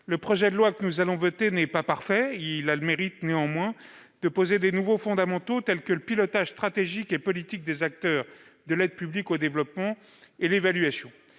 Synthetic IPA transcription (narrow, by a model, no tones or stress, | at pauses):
ləpχɔʒɛd̪əlwakənuzalɔ̃vɔt̪enɛpapaʁfɛilameʁit̪neɑ̃mwɛ̃ | d̪̥əpozed̪enuvofɔ̃d̪amɑ̃t̪ot̪ɛlkələpilɔt̪aʒ̥st̪χat̪eʒikepɔlit̪ik̚d̪ezak̚t̪œʁ | d̪əlɛd̪̚pyblikod̪evlɔpmɑ̃ | elevalɥasjɔ̃